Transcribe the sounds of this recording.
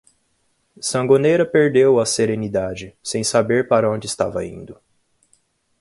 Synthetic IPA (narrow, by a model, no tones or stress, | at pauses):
sɐ̃ŋɡonejɾɐpeɾd̪ewɐseɾẽnid̪ad͡ʒɪsẽj̃sabeɾpaɾɐõd͡ʒɪst̪a̰vɐ̰ḭ̃nd̪ʊ